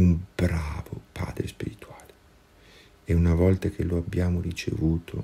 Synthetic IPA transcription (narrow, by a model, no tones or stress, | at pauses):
umbɾaːvopʰa̰ːd̪ɾespiɾit̪waːle | ɛunavɔlt̪ak̟ʰelːoabːjaːmorit͡ʃḛvuːt̪ʰo